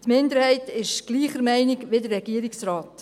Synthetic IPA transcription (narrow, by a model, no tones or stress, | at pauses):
tmɪndəɾhɛɪtɪʃɡ̥liːχəɾmɛɪnɪkʋɪdəɾːɛɡ̥iːəɾiksrɑːt